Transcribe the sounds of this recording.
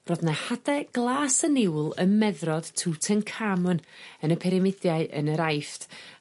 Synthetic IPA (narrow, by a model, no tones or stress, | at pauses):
rɔðnahadɛɡ̥lˠaːsənɪwlˠəmɛðrɔd̥tʰuːtʰənkʰamɔnənəpʰɛɾɪmɪdjaɨʔə̰nəɾajft